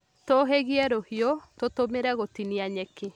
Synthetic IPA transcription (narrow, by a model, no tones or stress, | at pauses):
toɦeɣiɛɾohiotot̪omeɾɛɣot̪iniaɲɛke